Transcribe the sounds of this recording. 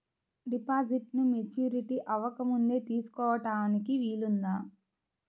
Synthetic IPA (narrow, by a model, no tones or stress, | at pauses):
ɖipaːd͡ʒiʈnumet͡ʃjuːɾiʈiʔɐʋɐkɐmund̪e̞ːt̪iːsu̥kɔːʋɐʈaːnikiʋiːlund̪aː